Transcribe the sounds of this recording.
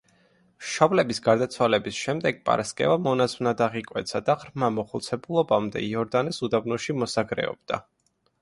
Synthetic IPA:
mʃɔblɛbisɡaɾd̪at̪sʰwalɛbisʃɛmd̪ɛɡ̚pʼa̰ɾaskʼɛ̰vamɔnazvnad̪aʁikʼwɛt̪sʰad̪aʁɾmamɔχulˠt̪sʰɛbulˠɔbamd̪ɛ̰iɔɾd̪anɛsud̪abnɔʃimɔsaɡɾɛ̰ɔ̰b̚d̪̥a̰

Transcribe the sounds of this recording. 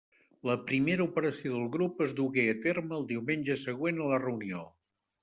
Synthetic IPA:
ləpɾimeɾəupəɾəsioðəlˠɣɾupəzðuɣeət̪erməːlˠd̪iwmenʲʒəsəɣ̞wenələrəunio

